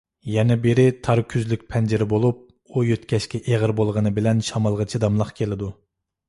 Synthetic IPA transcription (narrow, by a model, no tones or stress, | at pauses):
jɛnɛbeɾɪt̪ʰɑɾkʲʰyzlykʲpʰɛnd͡ʒɪɾɪbolˠup̚ | ujøt̪kʲɛʃkʲɛʔeʁəɾbolˠʁənɨbɪlɛnʃɑmɑlˠʁət͡ʃʰid̪ɑmlˠɑqkʲʰelɪd̪u